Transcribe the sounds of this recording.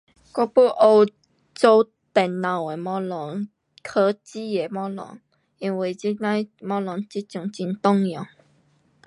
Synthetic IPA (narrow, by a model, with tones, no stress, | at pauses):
kɔ˥˦pu˦ʔo˧w | t͡so˧ | t̪ɛ˨˩nːã˨we˨˩mɔ̃˧lɔ˨˦ŋ | kʰə˧˦t͡ɕi˦e˨mɔ̃˧˦lɔ̰˨˦ŋ | i˧nwi˨˩t͡ɕi˦nã˦mɔ̃˧˥lɔ˨˧˦ŋt͡ɕi˦t͡ɕjʊ˨˩ŋt͡ɕi˧nt̪ɔ˥˧ŋjɔ̃˨˩˦ŋ